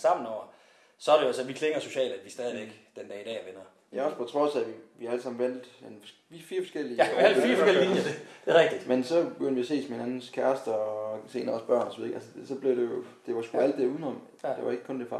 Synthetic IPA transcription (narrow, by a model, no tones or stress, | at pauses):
sɑ̈m̰n̩ɒʊ̰ɐ | sɒ̽ɐɾe̝joæsɒnʋikʰleŋɐso̝ɕɛ̰ːld̥æd̥ʋisd̥ɛːð̞ˠiʋeɡ̥d̥end̥ɛːid̥ɛ̰ːʋenɐ | jæɒ̽spʰɒ̽t͡sʰʁɒ̽sæʋiʋiælsɑ̈mn̩ʋæn̰d̥enʋifiːɐfɒ̽sɡ̥el̰ilfiːɐfɒ̥eliidd̥eʁɛɡ̥̚d̥id̥mensɒ̽b̥eɡ̥øn̰dʋiæse̝̰ːsmee̝nænn̩skʰæɐsd̥ɐse̝̰ːnɐɒsb̥ɶɐ̰nɒsɒʋiðˠeʔæ̰səd̥sɒ̽b̥li̝ʊd̥e̝jo̝d̥e̝ʋɑ̈sɡ̥uæl̰d̥ːe̝ɐuːð̞ˠn̩ɒ̽m | d̥eʋɑ̈e̝ɡ̥əkʰɔ̽nd̥efɑ̈